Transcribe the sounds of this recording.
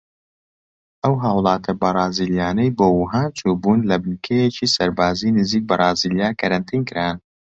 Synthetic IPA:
ʔɐwɦaːwlˠɑːt̪ʰɐbɐrˤɑːziːljaːnɐjboːwuɦaːnt͡ʃʰuːbuːnlɐbɨnkʰejet͡ʃiːsɐɾbaːzinɨziːk̚bɐrˤɑːziːljaːkʰɐɾɐnt̪ʰiːnkɨɾaːn

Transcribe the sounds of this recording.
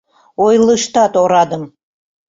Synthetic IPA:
ojlˠəʃt̪ɑt̪oɾɑd̪əm

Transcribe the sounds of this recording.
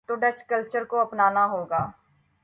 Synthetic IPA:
t̪oɖət͡ʃkəlt͡ʃəɾkoɐpnaːnaɦoːɡaː

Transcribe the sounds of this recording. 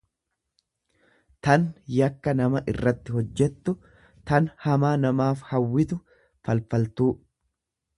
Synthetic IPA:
t̪ɐnjɐkːɐnɐmɐʔɪ̰rːɐt̪ːɪɦɔd͡ʒːɛt̪ːʊ | t̪ɐnhɐmaːnɐmaːfhɐwːɪt̪ʊ | fɐlfɐlt̪uː

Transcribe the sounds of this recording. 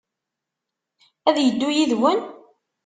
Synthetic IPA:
æðjəd̪ːʊjiðwən

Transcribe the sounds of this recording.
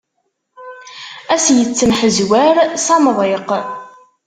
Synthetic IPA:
æsjət͡sːəmħəzwæɾsɑmðˤeq

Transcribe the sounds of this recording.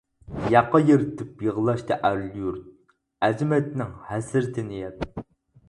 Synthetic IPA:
jɑqːɑjeɾɪt̪ʰɪpjəʁəlˠɑʃt̪ɑʔæɾlˠjuɾt̪̚ | ɛzɪmɛt̪nɪŋhæsɪɾt̪ʰɪnɪjɛt̪

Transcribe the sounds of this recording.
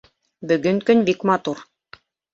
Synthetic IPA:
bɵ̆ɡɵŋkɵnbikmɑt̪uɾ

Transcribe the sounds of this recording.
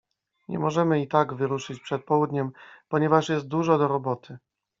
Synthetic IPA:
ɲʔɛ̰mɔʐɛmɘit̪aɡvɘɾuʂɘt͡ɕpʂɛt̪̚pɔwud̪ɲɛmpɔɲɛvaʂjɛst̪̚d̪uʐɔd̪ɔɾɔbɔt̪ʰɘ

